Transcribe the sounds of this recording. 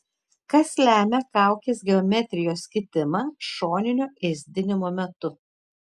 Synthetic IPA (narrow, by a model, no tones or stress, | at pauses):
kɐslʲæːmʲɛkɑˑʊkʲeːsɡʲɛɔmʲɛt̪ʲɾʲɪjoːskʲɪt̪ʲɪmɑːʃoːnʲɪnʲʊʔɛzʲd̪ʲɪnʲɪmoːmʲɛt̪ʊ